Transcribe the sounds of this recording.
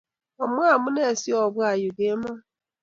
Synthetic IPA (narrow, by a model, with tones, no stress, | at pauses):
ɔ˨m˦a˦˨mʊ˦ne˦˨si˦ɔ˨ɡ͡bʊ˦a˨jʊ˨ɡe˦ma˦